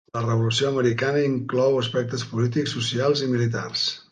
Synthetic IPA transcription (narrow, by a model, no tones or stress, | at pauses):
lərəβulusioəməɾikanəiŋklɔwəspɛk̚t̪əspulit̪iksːusialˠzimilit̪̬a̰rs